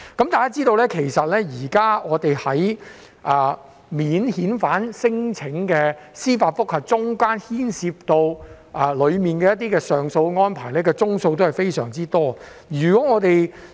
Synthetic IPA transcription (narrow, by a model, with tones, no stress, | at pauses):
kɐ˨˥mt̪aː˨kaː˥t͡siː˥t̪o˧wlɛː˥kʰe˨˩jsɐ˨t̚lɛː˥jiː˨˩kaː˥ŋɔː˨˧t̪e˨jhɐ˨˥j | ʔɛː˨ | miː˨˥nhiː˨˥nfaː˨˥nsɪ˥ŋt͡sʰɪ˨˧˥ŋkɛː˧siː˥faː˧t̚fʊ˥k̚hɐ˨t̚t͡sʊ˥ŋkaː˥nhiː˥nsiː˧p̚t̪o˧w | ʔɛ˨lɵ˨˧ɥmiː˨nkɛː˧jɐ˥t̪̬ːiː˥kɛː˧sœː˨ŋso˧wŋɔː˥npʰaː˨˩jlɛː˥kɛː˧t͡sʊ˥ŋso˧wt̪o˥whɐ˨˩jfe˥jsœː˨˩ŋt͡siː˥t̪ɔː˥ | jyː˨˩kɔː˨˦˥ŋɔː˨˧t̪e˨j